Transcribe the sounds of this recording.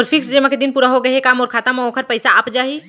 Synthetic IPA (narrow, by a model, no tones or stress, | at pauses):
ɔɾfʰɪksd͡ʒeːmãked̪ɪnpuːɾaɦoɡɐɦekaːmɔːɾkʰaːt̪amokʰəɾpɐɪsaɐpd͡ʒaːɦi